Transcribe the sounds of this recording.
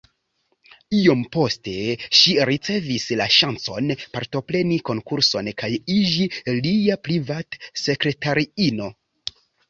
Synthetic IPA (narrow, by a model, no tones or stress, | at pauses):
io̞mpo̞ste̞ʃiɾit͡se̞vislaʃant͡so̞̰npaɾto̞pɾe̞niko̞ŋkuɾso̞nkajid͡ʒiliapɾivatse̞kɾe̞taɾiino